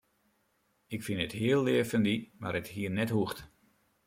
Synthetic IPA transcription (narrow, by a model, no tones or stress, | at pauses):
ɪkfɪnəthɪəlˠːɪəfəndimaɾəthiərnɛthuəxt